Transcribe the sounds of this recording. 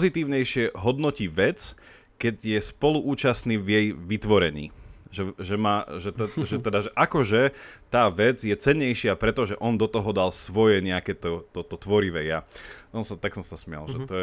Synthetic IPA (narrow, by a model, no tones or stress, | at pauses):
zit̪iːʊɲɛjʃɪɛɦɔd̪nɔciʋɛt͡s | kɛɟjɛspɔluʔuːt͡ʃasniːʋjɛjʋit̪ʋɔɾɛɲḭːʒɛʒɛmaʒɛt̪ɛʒɛt̪ɛd̪aʒɛʔakɔʒɛt̪aːʋɛd͡zjɛt͡sɛɲːɛjʃɪapɾɛt̪ɔʒɛʔɔnd̪ɔt̪ɔɦɔd̪alsʋɔjɛɲɛakɛt̪ɔt̪ɔt̪ɔt̪ʋɔɾiʋɛjaʔɔnsat̪aksɔmsasmɪa̰lʒɛt̪ɔɛ